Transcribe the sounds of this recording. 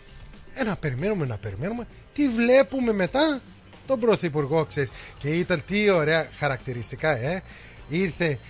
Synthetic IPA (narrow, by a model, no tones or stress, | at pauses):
enɐpe̞ɾime̞nume̞nɐpe̞ɾime̞nume̞ | t̪ivle̞pume̞me̞t̪ɐ | t̪o̞bɾo̞θipuɾɣo̞ksesce̞it̪ɐnt̪io̞ɾe̞ɐxɐɾɐkt̪iɾist̪ikɐe | iɾθe̞